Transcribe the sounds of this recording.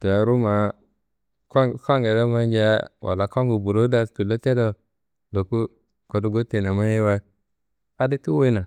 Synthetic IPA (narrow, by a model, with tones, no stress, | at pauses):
to˨a˨ɾu˦ma˨ | kka˦ŋɡe˨da˦ma˦ɲd͡ʒa˦wʔa̰˨la˨ka˦ŋɡu˨bu˨ɾo˦da˨tu˨lo˦te˦do˦ | lo˨ku˦ | ko˨du˨ɡo˦te˨na˨ma˦ji˦wa˦ | a˨˦di˦ti˦wo˦na˨